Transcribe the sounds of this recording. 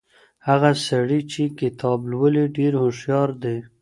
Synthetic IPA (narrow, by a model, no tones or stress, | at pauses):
haɣasaɽit͡ʃekɪt̪ʰɑblwəliɖeɾhʊʃjɑɾd̪e